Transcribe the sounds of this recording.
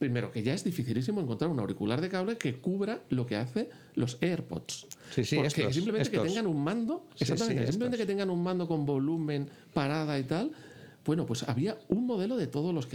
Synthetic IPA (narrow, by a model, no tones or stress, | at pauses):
pɾime̞ɾo̞ke̞ʝae̞zðifiθilisimo̞e̞ŋko̞nt̪ɾaɾunawɾikulaɾð̞e̞kaβleke̞kuβɾalo̞ke̞aθe̞ | lo̞seɾpo̞̰t̪sspokes̬implemẽekeeŋɡanummãnd̪o̞esat̪amenes̬impleẽt̪eket̪eŋɡanuŋmãnd̪o̞ko̞mbo̞lumẽ̞n | paɾað̞ait̪al | bwe̞nopwe̞sa̰βiauŋmo̞ð̞e̞lo̞ðe̞t̪o̞ðozlo̞sk